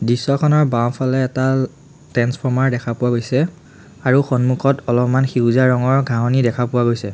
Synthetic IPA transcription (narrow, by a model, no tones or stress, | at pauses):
disɔkʰɔnɔɹbaw̃pʰalɛːta | tɛnspʰɔɹmaɹdɛkʰapʊwaɡojsɛ | aɹuxɔnmukʰɔtɔlɔpmanxiuzaɹɔŋɔɹɡʱaɦɔnidɛkʰapʊwaɡojsɛ